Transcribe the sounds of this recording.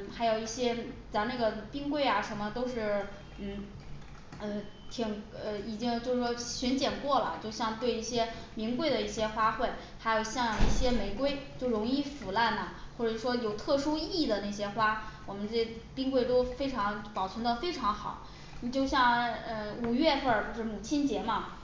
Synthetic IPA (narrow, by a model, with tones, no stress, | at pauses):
xa˧˥ɪjo˨˩ʊi˥˩ɕjɛ˥t͡sa˧˥na˥˩ɡə˩pi˥ŋkwe˥˩ɪa˩ʂə˧˥mə˧t̪o˥ʊʂɻ̩˥˩ | n̩˥˩ | ə˧t̪ʰi˨˩ŋə˧i˨˩t͡ɕi˥ŋt͡ɕjo˥˧ʊʂ̩˥˩ʂwɔ˥ɕɥɛ˧˥nt͡ɕjɛ˨˩nkwɔ˥˩lə̰˩t͡ɕjo˥˧ʊɕjɑ˥˧ŋt̪we˥˧ɪi˥˩ɕjɛ˥mi˧˥ŋkwe˥˩ɪd̪ə˩i˥˩ɕjɛ˥xwa˥xwe˥˩ɪ | xa˧˥ɪjo˨˩ʊɕjɑ˥˩˧ŋ˨˩i˥˩ɕjɛ˥me˨˩ɪkwe˥˧ɪt͡ɕjo˥˩ʊɻʊ˧˥ŋi˥˩fu˨˩la˥˩nɐ˩xwɔ˥˩ʈ͡ʂə˨˩ʂwɔ˥jo˨˩ʊt̪ʰɤ˥˩ʂu˥i˥˩˧d̪ə˩na˥˩ɪɕ̬jɛ˥xwa˥wɔ˨˩mə˦nʈ͡ʂɛ˥ | pi˥ŋkwe˥˩ɪt̪o˥ʊfe˥ɪʈ͡ʂʰɑ˧˥ŋpɑ˨˩ʊt͡sʰwə˧˥nd̪ə˧fe˥ɪʈ͡ʂʰɑ˧˥ŋxɑ˨˩˦ʊ˧ | t͡ɕjo˥˧ʊɕ̬jɑ˥˩ŋə˧u˨˩ɥɛ˥˧fə˞˥˩o˥˧ʂɻ̩˥˩mu˨˩t͡ɕʰi˥nt͡ɕjɛ˧˥mɐ˧